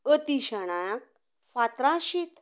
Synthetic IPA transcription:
ət̪iɕaɽ̃ajãk̚ | fat̪ɾãɕit̪

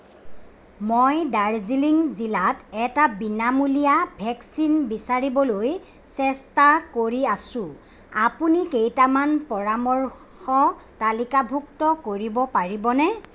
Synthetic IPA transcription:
mojdaɹziliŋzilatɛtabinamulijabʱɛksinbisaɹibɔloj | sɛstakoɹiasʊ̃ | apunikejtamanpɔɹamɔɹ | xɔtalikabʱuktɔkoɹibɔpaɹibɔnɛ

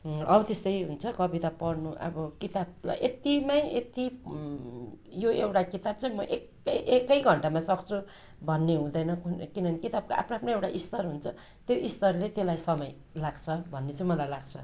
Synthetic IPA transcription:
ʌbʌt̪est̪ʌjɦunt͡sʰʌkʌbit̪apʌrnuʔʌ̰bʌkit̪ab̚la̰ʔet̪imaet̪i | joewʈakit̪ab̚t͡sʌ̃ĩmʌʔek | ʔekːʌjɡʱʌɳʈamasʌkt͡sʰu | bʱʌnːeɦũd̪ʌjnʌkunkinʌnikit̪ab̚kaʔa̰pʰnoapʰnoewʈaʔist̪ʌrɦunt͡sʰʌ | t̪joʔist̪ʌrlet̪elajsʌmʌj | laɡt͡sʰʌbʱʌnːet͡sãĩmʌlajlaɡt͡sʰʌ

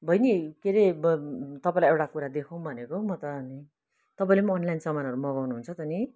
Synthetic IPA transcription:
bʱʌjnikeɾe | t̪ʌpãĩlaewʈakuɾad̪ekʰow̃bʱʌnekomʌt̪ʌni | t̪ʌpaĩlemʌːnlajnsʌmanɦʌɾumʌɡawnuɦunt͡sʰʌt̪ʌni

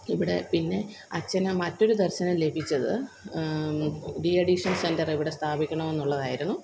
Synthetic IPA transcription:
iʋiɽe̞pinːe̞ | ɐt͡ɕːɐnɨmɐtːo̞ɾud̪ɐrɕɐnɐmle̞bʱit͡ɕːɐðɨ | diɐɖiʂɐnsendɐriʋiɽe̞st̪ʰaːbʱikʲːɐɳɐme̞nːuɭːɐðaːjiɾunːu

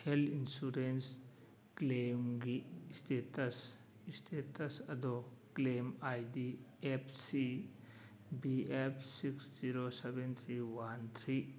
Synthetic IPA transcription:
helinsuɾens | klemɡistetɐs | istʰetɐsɐd̪oklemajdiepʰsi | biepʰsiksz̥iɾosebent̪ʰɾiwant̪ʰɾi

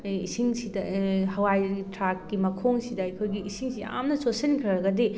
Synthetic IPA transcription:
ḭsiŋsidɐhɐwajtɾakːimɐkʰoŋsidɐːjkʰojɡiːsiŋsija̰mnɐsosɐnkʰɾɐɾɐɡɐdi

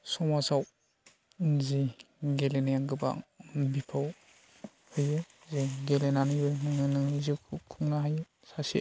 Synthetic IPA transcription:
sɔmasaw | zi | ɡelenejaɡɯba̰bipʰaw | hɯjzɯzeɡelenanibɯnɯŋɯnɯŋzɯkʰkʰuŋnaɦaj | sasḭ

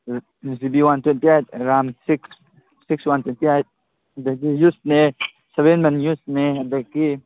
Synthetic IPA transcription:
zibiwant̪wɛntiajt̪̚ɾamsiks | sikswant̪wentiajt̪̚ | dakijusne | sɛbɛnmɛnjusnead̪akːi

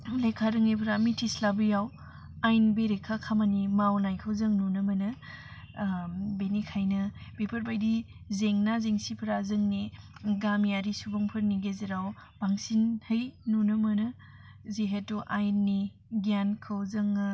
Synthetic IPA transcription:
lekʰaɾɯŋepʰɾamitʰislabɯjaw | ajnbeɾekʰakʰamanimawnajkʰɯwzɐŋnunɐmɐnɯ | benikʰajnɐb̥epʰɐɾbajdi | zeŋnazeŋsipʰɐɾazɯŋneɡamijaɾisubɐŋpʰɯɾniɡeziɾawb̥aŋsinhɯjnunɐmɐnɯ | zeɦetuʔajnːi | ɡjankʰɯwzɐŋɯ

